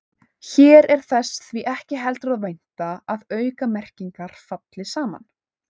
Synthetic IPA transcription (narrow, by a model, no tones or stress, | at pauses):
çɛːɾɛɾ̥θɛsθviʔɛhcɪɦɛlt̪ʏɾaðvejn̥t̪aaðœːɥkamɛr̥ciŋkaɾ̥fat̪lɪsaːma̰n